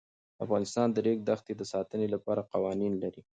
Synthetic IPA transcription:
a̰fɣɑnɪst̪ɑnd̪əɾek̚d̪axt̪ed̪əsɑt̪ənelapɑɾaqɑwɑninlaɾi

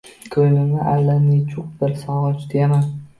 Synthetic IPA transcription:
kʰɵjlɪnɪʔalːanɪt͡ʃʰʊq̚bɪɾsɒʁɒt͡ʃd̪ama

